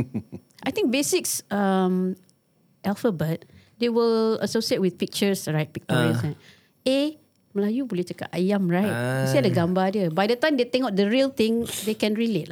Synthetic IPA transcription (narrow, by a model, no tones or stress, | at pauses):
ʔajt̪ĩŋk̚besiksəm | ʔɛlfəbət̚dewilə̰sosiet̚wiθpik̚t͡ʃəsɹaɪt̚pik̚tɔɹə̃sa | e | məlajubulit͡ʃəka̰ʔajãmɹajt̚isiadəɡãmbadjəbajdətãɪj̃mdet̪ɛ̃ŋaʊt̚dəɹiəlt̪ĩŋdekɛ̃nɹilet̚